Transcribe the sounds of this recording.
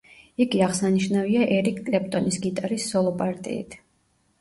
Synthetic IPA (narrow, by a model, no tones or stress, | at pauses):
iɡiaʁsaniʃnaviaʔɛɾikʰkʼlɛpʼt̪ʼɔnisɡit̪ʼaɾisːɔlˠɔpʼaɾt̪ʼḭḭt̪ʰ